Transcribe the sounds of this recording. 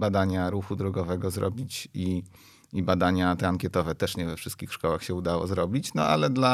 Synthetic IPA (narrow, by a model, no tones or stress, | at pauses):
bad̪aɲaɾuxud̪ɾɔɡɔvɛɡɔzɾɔ̰bʲit͡ɕi | ibad̪aɲat̪ɛaŋkʲɛt̪ɔvɛt̪ɛʂɲɛvɛfʂɘst̪̚kʲixʂkɔwaxɕɛud̪awɔ̰zɾɔbʲit͡ɕnɔ̰a̰lɛd̪la